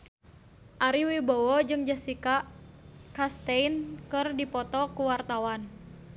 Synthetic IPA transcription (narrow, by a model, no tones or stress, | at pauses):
ʔaɾiwibowɔd͡ʒɨŋd͡ʒasikaʔkast̪einkɨrdipɔt̪ɔkuwart̪awan